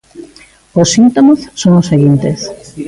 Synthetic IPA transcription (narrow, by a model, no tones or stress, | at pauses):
osːint̪omosːoŋoseɣint̪es